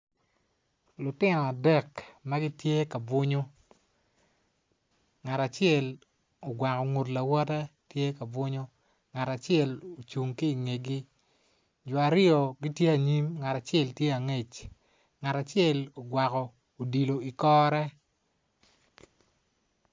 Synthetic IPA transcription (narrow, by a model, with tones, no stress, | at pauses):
lʊ˨tɪ˦nɔ˨a˨dɛ˦˨kma˦ɡɪ˦tje˦ka˨bʊ˦ɲo˦ | ŋa˨ta˨t͡ʃɪɛ˦˨l | o˨ɡwa˨kɔ˨ŋo˨tla˨wɔ˦tɛ˦tje˦ka˨bʊ˦ɲo˦ | ŋa˨ta˨t͡ʃɪɛ˦˨lo˨t͡ʃu˨ŋki˦i˨ŋe˨ɡi˦ | d͡ʒɔ˨a˨ɾɪ˦ɔ˨ɡi˦tje˦a˨ɲi˦mŋa˨ta˨t͡ʃjɛ˦˨ltje˦a˨ŋe˨t͡ʃ | ŋa˨ta˨t͡ʃɪɛ˦˨lo˨ɡwa˨kɔ˨ | o˨di˨lo˨i˨kɔː˦ɾɛ˦